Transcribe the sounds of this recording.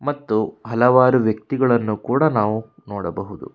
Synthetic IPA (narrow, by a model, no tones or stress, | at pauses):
mɐt̪ːuɦɐlɐʋaːɾuʋjɐk̚t̪iɡɐɭɐnːukuːɽɐnaːʋu | nɔːɽɐbɐɦud̪ṵ